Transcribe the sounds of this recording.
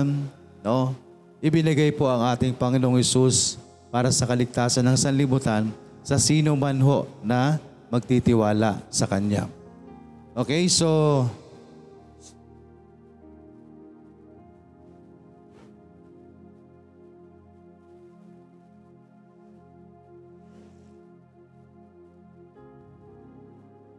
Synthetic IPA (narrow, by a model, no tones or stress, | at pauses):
n | no | ʔɪbɪnɐɡajpo̞ʔɐŋʔaːt̪ɪŋpɐŋɪnoʔoŋhɛsus | paːɾɐsɐkɐlɪɡ̚t̪aːsɐnːɐŋsɐnlɪbuːt̪an | sɐsiːnomanɦo̞ʔnɐ | mɐɡ̚t̪it̪ɪwaːla̰ʔsɐkɐɲɲa̰ | ʔoːkɛjso̞